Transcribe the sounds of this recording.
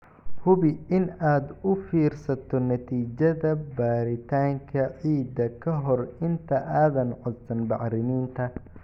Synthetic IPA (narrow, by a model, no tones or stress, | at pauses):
hʊβɪɪnaːd̪ʊfiːrsɐt̪ʰɔnɐt̪ʰiːt͡ʃɐðɐbaːɾɪt̪ʰaːŋkʰɐʕiːd̪ɐkʰɐɦɔrɪnt̪ʰɐʔaːðɐnʕɔd̪sɐnbɑħɾɪniːnt̪ʰɐ